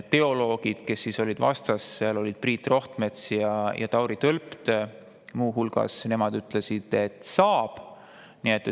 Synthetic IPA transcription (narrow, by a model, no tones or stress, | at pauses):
t̪e̞o̞lo̞ːɡ̥id̪̥ke̞sːiso̞lʲid̪̥vɑ̰st̪ɑsseɑlo̞lʲid̪̥̚priːt̪ːˑro̞ht̪me̞t̪sjɑjʔɑ̰t̪ɑwɾit̪ølpt̪ | muːɦulɡ̥ɑ̰sne̞mɑd̪̥yt̪ˑlesid̪̥e̞t̪sɑːb̥ | niet̪ːˑe